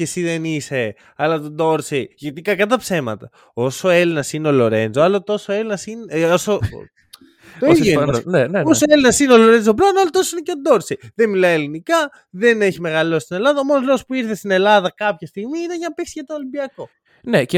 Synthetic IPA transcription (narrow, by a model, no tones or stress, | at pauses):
cesiðenise̞ | ɐlɐt̪od̪o̞ɾsejʝet̪ikɐkɐt̪ɐpse̞mɐ̰t̪ɐ | o̞soe̞linɐsineolo̞ɾenzoɐlot̪o̞soe̞linɐsinoso | t̪oessneneosoelinɐsineo̞lo̞ɾe̞nd͡zop̬lɐnoɐlot̪osoineceod̪o̞ɾsejðenmilɐielinikɐ | ðe̞ne̞çime̞ɣɐlo̞st̪ine̞lɐðɐomonozloospuiɾθe̞st̪ine̞lɐðɐkɐpçɐst̪iɣmiineʝɐnɐpeksiʝɐt̪oːlimbiɐko̞ | nece